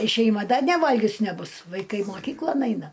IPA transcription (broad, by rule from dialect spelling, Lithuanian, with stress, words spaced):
ɪ ʃʲɛɪˈmɐ ˈdɐ nʲɛˈʋɐlʲɡʲʊs nʲɛˈbʊs ʋɐɪˈkɐɪ moːˈkʲiːklˠoːn ˈɐɪnɐ